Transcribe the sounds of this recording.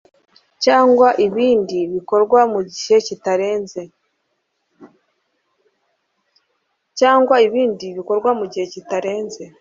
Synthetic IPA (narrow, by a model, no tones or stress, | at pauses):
caːŋɡwaʔiβiːndiβiko̞ɾɡwamuɟihe̞citaɾe̞ːnze̞ | caːŋɡwaiβiːndiβiko̞ɾɡwamuɟihe̞citaɾe̞ːnze̞